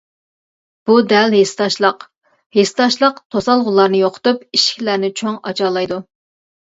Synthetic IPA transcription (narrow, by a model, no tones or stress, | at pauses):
b̥ud̪ɛlɦest̪ɑʃlˠəq | hest̪ɑʃlˠəqt̪ʰosɑlˠʁʊlˠːɑɾnɨjoqʰʊ̥t̪upiʃkʲʰlæɾnɪt͡ʃʰoŋɑ̰t͡ʃʰɑːlˠɑjd̪u